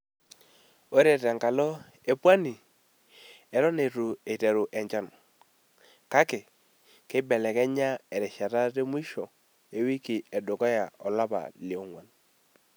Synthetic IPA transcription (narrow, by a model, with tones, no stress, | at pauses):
o˦ɾe˨ta˨ŋka˨lɔ˦ | e˨pwa˦ni˨ | e˨ɾɔ˦ne˨tu˨e˨te˨ɾu˨ʔɛ˨ɲt͡ʃɔ˦˨n | ka˦ke˨ | ke˦bɛ˨lɛ˨kɛ˦ɲa˦e˨ɾe˨ʃa˨ta˦te˦mwi˦ʃɔ˨ | e˨wi˦ki˨ɛ˨do˨kɔ˦ja˨ɔ˨la˦ba̰˨li˨o˦ŋwa˨n